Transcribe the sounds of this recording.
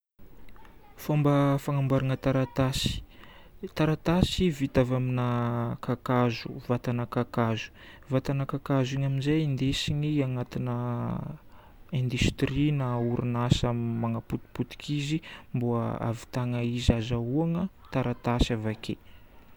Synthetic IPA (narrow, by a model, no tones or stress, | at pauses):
fombəfaŋambaɾanət̪aɾat̪asi̥ | t̪aɾat̪asivit̪avaminakakazṵvat̪anakakazu̥ | vat̪anakakaziɲaminzajind̪esiɲiaŋat̪inə | ẽnd̪yst̪rinauɾʔunasammaŋaput̪i̥put̪i̥kʰizimbua̰a̰vi̥t̪aŋaizazauaŋə | t̪aɾat̪asavakʰe